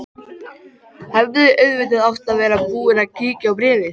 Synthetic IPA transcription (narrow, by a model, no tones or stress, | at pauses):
hɛvðɪʔœɥðvɪt̪̬ɪðawft̪aðvɛːɾapuːɪnaciːcɪawpɾɪːvɪθ